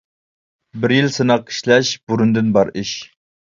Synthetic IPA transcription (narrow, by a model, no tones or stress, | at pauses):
bɪɾjilsɨnɑqʰːi̥ʃlɛʃbuɾund̪ɪnbɑɾiʃ